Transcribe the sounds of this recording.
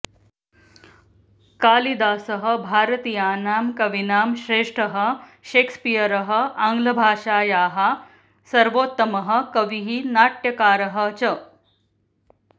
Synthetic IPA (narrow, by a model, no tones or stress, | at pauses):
kaːlid̪aːsɐɦə̆bʱaːɾət̪iːjaːnaːmkɐʋinaːmɕɾeːʂʈʰəɦə̆ɕeːkspijəɾɐɦə̆aŋɡlɐbʱaːʂaːjaːɦa | sɐɾʋoːt̪ːɐmɐɦə̆kɐʋiɦinaːʈjɐkaːɾɐɦə̆t͡ɕə